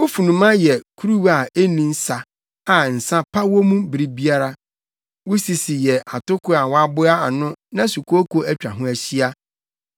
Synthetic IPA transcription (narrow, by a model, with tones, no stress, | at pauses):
o˦fu˨nũ˨mã˦jɛ˨kʰu˦ɾu˦wa˨e˦nĩ˦n̩˦sa˨ | a˨n̩˨sã˦pʰa˦wo˦mũ˦bi˨ɾi˦bi˦a˦ɾa˦ | wʊ˦si˨si˨jɛ˨ʔa˨tʊ˦kʰʊ˦a˨wa˦bʊ˦a˦a˨nʊ̃˦nã˦su˨kʰo˦ko˦æ˦t͡ɕᶣa̰˨ɦʊ̃˦æ˨ɕi˦a˦